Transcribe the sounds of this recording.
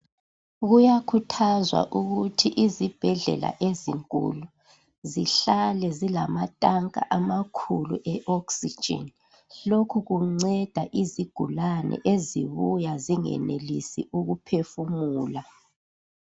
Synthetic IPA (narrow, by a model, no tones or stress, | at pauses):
ɣujakʰutʰazwa̰ʔuɣutʰiʔizib̥ʱɛɮɛ̰la̰ʔeziŋkʼṵlu | ziɬalɛzilamatʼaŋkʼa̰ʔamakʰuluʔɛʔɔksi̥d͡ʒʱɛ̰n | lokʰuɣuŋ͡ǀɛd̥ʱaʔiziɡ̥ʱulanɛ̰ʔezḭβujaziŋɛ̰nelisiʔuɣupʰefumuːla